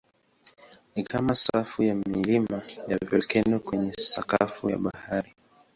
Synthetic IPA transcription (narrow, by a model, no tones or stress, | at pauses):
nikamasafujamilimajavɔkɛnɔkwɛɲɛsakafuja̰ɓahaɾi